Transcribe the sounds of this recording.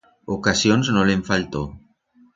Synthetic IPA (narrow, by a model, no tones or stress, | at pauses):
okasjonznoleɱfalt̪o